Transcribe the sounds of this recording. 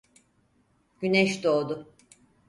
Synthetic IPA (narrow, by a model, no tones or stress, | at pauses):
ɟ̥ynɛʃd̪oːd̪ʊ